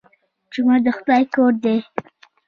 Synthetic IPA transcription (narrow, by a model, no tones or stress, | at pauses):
d͡ʒʊmad̪əxʊd̪ɑjkoɾd̪e